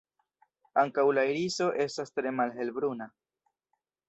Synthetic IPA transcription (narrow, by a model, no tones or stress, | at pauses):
aŋkawlajɾiso̞ʔe̞stastɾe̞malɦe̞lbɾuna